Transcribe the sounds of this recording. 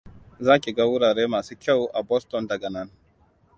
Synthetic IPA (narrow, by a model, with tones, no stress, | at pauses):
zaː˦kʲi˨ɡa˦wʊ˦ɽaː˨ɽeː˦maː˨suː˦kʲa˦˨wʔa˨bɔ˦stɔ˨ndɐ˨ɡɐ˨nɐ˦n